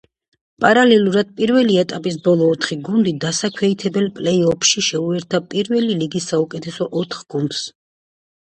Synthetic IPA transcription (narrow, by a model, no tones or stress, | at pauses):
pʼaɾalɛlˠuɾad̪̚pʼiɾvɛliɛt̪ʼapʼis̬bɔlˠɔːt̪ʰχiɡund̪id̪asakʰwɛit̪ʰɛbɛlpʼlɛiɔpʰʃiʃɛuɛɾt̪ʰapʼiɾvɛliliɡisːaukʼɛt̪ʰɛsɔʔɔt̪ʰχɡ̥und̪̥s